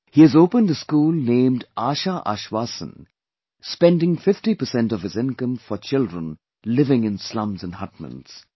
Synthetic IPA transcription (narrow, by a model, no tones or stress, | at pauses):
hiːɨzoʊpə̃ndəskuːlnẽːmdaːʃaʔa̰ʃwaːsə̰̃n | spɛ̃nɖɪ̃ŋfɪfʈipəsɛ̃ntɔv̥ɨzɪ̃nkə̃mfɔt͡ʃɪldɹə̃n | lɪvɪ̃ŋɪ̃nslʌ̃mzə̃nhʌʈ̚mə̰̃ndz̥